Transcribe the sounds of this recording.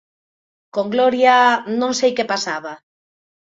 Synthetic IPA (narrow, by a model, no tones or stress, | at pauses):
koŋɡlɔɾjanõŋsejkepasaβa